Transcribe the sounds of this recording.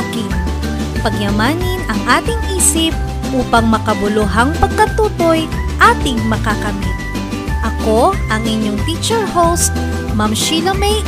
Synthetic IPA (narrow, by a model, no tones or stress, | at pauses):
kɪn | pɐɡjɐmaːnɪnɐŋʔaːt̪ɪŋʔiːsɪp̚ | ʔuːpɐŋmɐkɐbʊlʊɦɐŋpɐɡ̚kɐt̪uːt̪o̞j | ʔaːt̪ɪŋmɐkakɐmit̪̚ | ʔɐko̞ʔɐŋʔɪɲjoŋfit͡ʃɛɹɦowst̪̚ | mɐmʃilɐmɛj